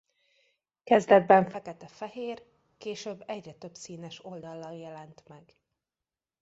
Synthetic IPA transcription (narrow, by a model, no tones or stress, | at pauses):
kɛzd̪ɛd̪̚bɛɱfɛkɛt̪ɛfɛɦeːr | keːʃøːbːɛɟrɛt̪øbsiːnɛʃo̞ld̪ɒlːɒljɛlɛnt̪mɛɡ